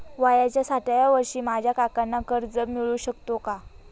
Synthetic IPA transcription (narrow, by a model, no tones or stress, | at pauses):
ʋajat͡ɕjasaʈajaʋəɾʂiːmad͡ʑʱjakakanːakəɾd͡zəmiɭuːɕəkt̪oka